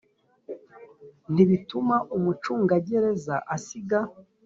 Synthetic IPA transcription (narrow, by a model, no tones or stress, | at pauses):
n̥iβitumaʔumut͡ʃuːŋɡaɟe̞ɾe̞zaʔasiɡa